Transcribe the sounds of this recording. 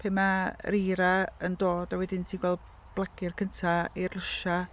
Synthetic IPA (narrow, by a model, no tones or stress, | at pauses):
pʰeːmaɾiːɾaəndoːd̥awɛdɪntʰiːɡwɛlˠd | b̥lˠaɡɪrkʰəntʰairləʃa